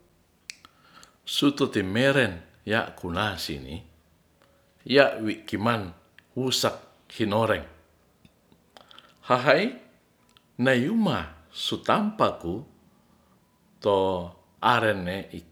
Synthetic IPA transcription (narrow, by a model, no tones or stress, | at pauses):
sut̪ot̪imɛɾɛn | ja̰ʔkunasḭnḭ | jaʔwiʔkiman | wusak̚ | hinoɾɛŋ | haɦai | najumasut̪ampaku | t̪o | aɾɛnːeʔik